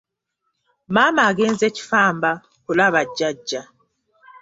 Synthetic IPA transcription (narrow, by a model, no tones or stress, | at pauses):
maːmaːɡeːnzeci̥faːmba | kulaβaɟːaɟːa